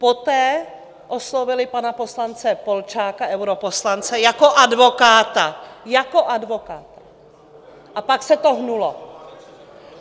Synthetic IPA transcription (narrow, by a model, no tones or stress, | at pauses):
pot̪ɛː | ʔoslovɪlɪpanapo̞slant͡sɛpo̞lt͡ʃaːkaʔɛwɾopo̞slant͡sɛjako̞ʔadvo̞kaːt̪ajakoʔadvo̞kaːt̪a | ʔapaksɛt̪oɦnulo